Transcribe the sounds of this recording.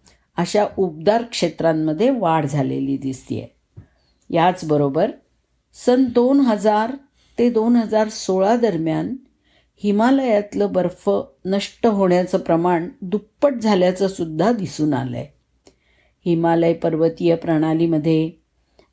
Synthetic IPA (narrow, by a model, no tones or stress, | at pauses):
əɕaʔub̚d̪aɾkʂet̪ɾamːəd̪ʱːjeʋaɽd͡zʱalḛliːd̪ist̪ḭjḛ | jat͡sbəɾobəɾ | sənd̪onɦəd͡zaɾ | t̪ed̪onɦəd͡zaɾsoɭad̪əɾmjan | himaləjat̪ləbəɾfənəʂʈəɦoɳjat͡səpɾəmaɳd̪upːəʈ̚d͡zʱaljat͡səsud̪ʱːad̪isuːna̰lə̰j | himaləjpəɾʋət̪ijəpɾəɽ̃aliməd̪ʱːje